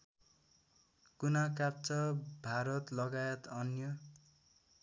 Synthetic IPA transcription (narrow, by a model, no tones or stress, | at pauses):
kunakap̚t͡sʌbʱaɾʌt̪lʌɡajʌt̪ʌnjʌ